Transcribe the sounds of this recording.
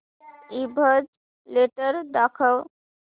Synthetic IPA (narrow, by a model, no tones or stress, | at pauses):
ibʱəd͡ʒ | leʈəɾd̪akʰəw